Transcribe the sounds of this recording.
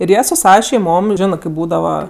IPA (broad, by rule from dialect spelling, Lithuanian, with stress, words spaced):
ɪr ˈjiɛ sʊ ˈsɑːʋɐ ʃʲɛɪˈmoːm ˈʒʲɪnɜ kɜp ˈbuːdɐʋɐ